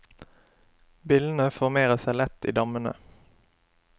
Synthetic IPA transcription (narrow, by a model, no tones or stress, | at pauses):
bɪln̩əfɔʁmeːʁəsæɪlɛt̪ḭːd̪ɑmənə̰